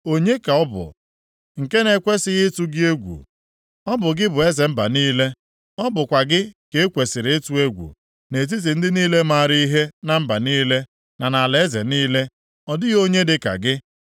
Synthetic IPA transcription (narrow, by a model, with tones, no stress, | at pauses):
o˦ɲe˦ka˨ɔ˦bʊ̰˨ | ŋ̩˨ke˦ne˨kʷe˦sɪ˨ɣɪ˦tu˦ɡɪ˦e˦ɡʷṵ˨ | ɔ˦bʊ˨ɡɪ˦bʊ˨e˦ze˨m̩˦ba̰˨niː˦le˦ | ɔ˦bʊ˨kʷa˨ɡɪ˦ke˨˦kʷe˨sɪ˨ɾe˦tu˦e˦ɡʷṵ˨ | ne˨t̬i˦t̬i˨n̩˦dɪ˦niː˦le˦ma˦˨ɾi˦i˦ɦe˦na˨m̩˦ba˨niː˦le˦ | na˨na˨le˨e˦zḛ˨niː˦le˦ | ɔ˨dɪ˦ɣo˦ɲe˦dɪ˦ka̰˨ɡɪ˦